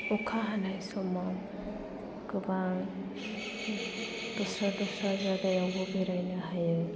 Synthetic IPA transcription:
ɔkʰaɦanajsɔma | kɯbaŋ | dɔsɾadɔsɾazadajawbɔbeɾajnaɦajɯj

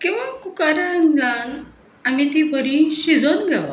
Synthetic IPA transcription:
kĩw̃ʋakukaɾanlan | amit̪ipəɾĩɕid͡zonɡaʋa̰

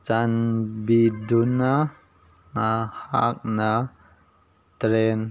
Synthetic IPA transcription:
t͡ʃanbiduna | nahak̚na | t̪ɾen

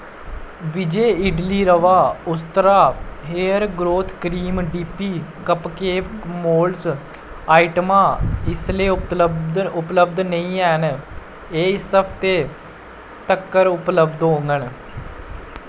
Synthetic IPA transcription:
ʋɪd͡ʒeːɪɖliːɾəʋaːʊst̪əɾaːɦeːəɾɡɾoːt̪ʰkɾiːmɖiːpiːkəpkeːpmoːls | aːɪʈəmaːɪsleː | ʊpləb̚d̪nəĩːɛːn | eːɪsəpʰt̪eː | t̪əkːəɾʊpləbd̪ɦõːŋɡəɳ

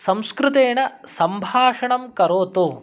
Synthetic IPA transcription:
sɐmskɾɪt̪eːɳɐsɐmbʱaːʂɐɳɐmkɐɾoːt̪uː

